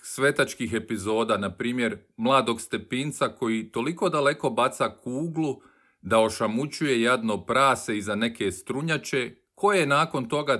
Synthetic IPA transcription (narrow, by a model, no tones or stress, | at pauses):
sʋe̞t̪at͡ʃkixe̞pizo̞ːd̪anapɾiːmje̞ɾmlˠaːd̪o̞ɡst̪e̞pint̪sako̞jit̪o̞liko̞d̪ale̞ko̞bat̪sakuːɡlˠu | d̪ao̞ʃamut͡ɕuje̞jad̪nopɾaːse̞izane̞ke̞st̪ɾuɲat͡ʃe̞ | kʰo̞jenaːko̞nt̪o̞ɡa